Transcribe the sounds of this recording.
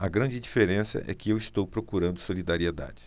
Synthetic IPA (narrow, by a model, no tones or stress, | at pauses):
ɐɡɾɐ̃d͡ʒɪd͡ʒifeɾẽsɐ̰ʔɛ̰kɪewist̪owpɾokuɾɐ̃nd̪ʊsolid̪aɾied̪a̰d͡ʒɪ